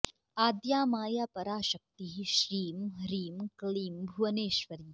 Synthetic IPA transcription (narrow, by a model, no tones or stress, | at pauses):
aːd̪jaːmaːjaːpɐɾaːʃɐk̚t̪iɦiʃɾiːmɾiːmkɐɭiːmbʱuʋɐneːʃʋɐɾiː